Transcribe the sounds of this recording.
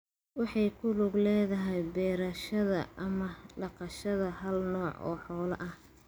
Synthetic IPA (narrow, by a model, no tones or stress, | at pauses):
wɑħɑjkʰʊlʊɡlɛːðɐɦɛjbɛːɾɐʃɐðɐɐmɐɖɑqɑʃɐðɐɦɐlnɔːʕʔɔ̰ːħɔːlɐ̰ʔɐh